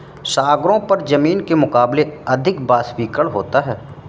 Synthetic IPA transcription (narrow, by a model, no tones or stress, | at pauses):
ʃaːɡɾõpɐɾd͡ʒɐmiːnkemʊkaːbleɐd̪ʱɪkbaːswiːkəɭɦo̰ːt̪aɦɛː